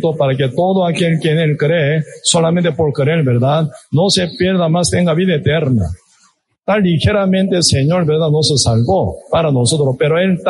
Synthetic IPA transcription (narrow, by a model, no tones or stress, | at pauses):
t̪opaɾaket̪o̞ðoakelkjenelkɾesolament̪epoɾkeɾeɾbeɾðaðno̞sepje̞ɾðamast̪e̞ŋɡaβiðaet̪eɾna̰ | t̪anlixe̞ɾamẽnt̪eseɲo̞ɾbeɾðaðnosesalβopaɾanosot̪ɾospe̞ɾoelt̪